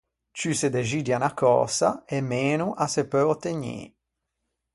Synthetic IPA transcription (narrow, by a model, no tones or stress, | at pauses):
t͡ʃysed̪eʒiːd̪janakɔ̰ːsa̰emeːnuʔasepøɔt̪ːeɲḛː